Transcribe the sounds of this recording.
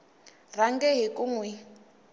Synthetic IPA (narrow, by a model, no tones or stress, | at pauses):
raŋɡɛɦikʼuŋwɛ